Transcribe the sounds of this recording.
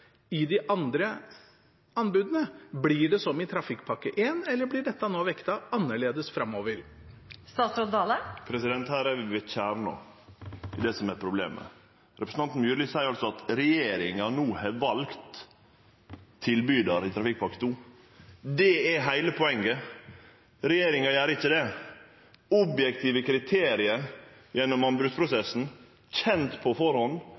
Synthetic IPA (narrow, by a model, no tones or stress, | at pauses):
ɪd̪ɪʔɑnd̪ɾə | ɑnbʉːd̪ənəblɪɖɛsɔmɪt̪ʰɾɑfɪkːpʰɑkːəʔeːnɛlːəblɪɖɛt̪ːɑnoːʋɛkt̪ɑɑnːəɭeːd̪əsfɾɑmːoːʋəɾ | st̪ɑːsɾɔt̪d̪ɑːləpʰɾɛsɪd̪ɛnt̪hæːɾɛɾʋɪʋɪçæːɾno̰ː | ɪd̪ɛsɔmɛɾpʰɾʊblḛːmə̰ | ɾɛpɾs̩ɑnt̪nmjʉːɾlɪsæɪɾɑlsɔɑt̪ɾɛjeːɾɪŋɑnuːhɛʋɑlkt̪ | ɪlbyːd̪ɑɾɪt̪ʰɾɑfɪk̚pʰɑkt̪ʰuː | d̪ɛɛɦæɪləpʰɔɛŋːə | ɾɛjeːɾɪŋɑjæːɾəɪçːəd̪ɛ | ɔbjɛk̚t̪ʰiːʋəkʰɾɪt̪ʰeːɾɪəɾ | jɛnːɔmɑmbɾʉt̪pʰɾʊsɛsːn̩ | çɛnt̪pʰɔfɔɾhɔnː